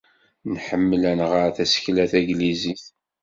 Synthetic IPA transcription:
nħəmːəlænʁəɾθæsə̥çlæθæɡliziθ

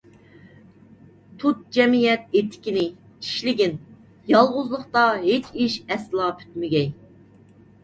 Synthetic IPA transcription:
t̪ʰut̪̚d͡ʒɛmijɛt̪̚et̪ʰːɪ̥kʲinɪ | i̥ʃlɪɡʲin | jɑlˠʁʊzlˠəχt̪ɑɦet͡ʃiʃɛslˠɑːpʰy̥t̪mɪɡʲɛj

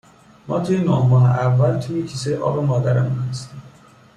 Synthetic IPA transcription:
mɒːt̪ʰujenːɒːhmɒːɦḛʔavːælt̪ʰujecʰisejeʔɒ̰ːbemɒːd̪æɾemunhast̪im

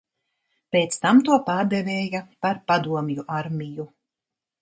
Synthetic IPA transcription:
pʲeːt̪st̪amt̪uɔpaːɾd̪ɛvʲɛːjapaɾpad̪uɔmjuʔaɾmʲiju

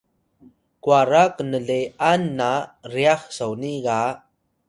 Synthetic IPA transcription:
kwaɾaknəɮeanːariaχsawniɡa

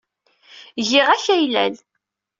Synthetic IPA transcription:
ʝɪʁæçæjlæ̰l

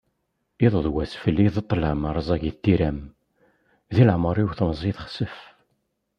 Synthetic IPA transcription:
iðˤəðˤwæsfəlːiðət̪ˤːlæməɾˤzˤæʝit̪ːiɾæm | ðiləʕməɾˤiwθəmzˤiθχsəf

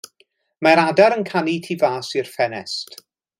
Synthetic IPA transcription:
maɾadaɾənkʰanitʰivaːsirfɛnɛst

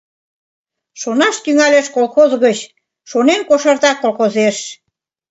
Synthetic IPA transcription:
ʃonɑʃt̪yŋæleʃkolxozɣət͡ɕ | ʃonenkoʃɑrt̪ɑkːolxozeʃ

